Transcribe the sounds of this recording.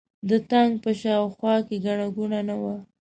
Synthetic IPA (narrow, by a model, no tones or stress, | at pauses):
d̪ət̪aŋɡ̚pəʃɑwxwɑkeɡaɳaɡunanawa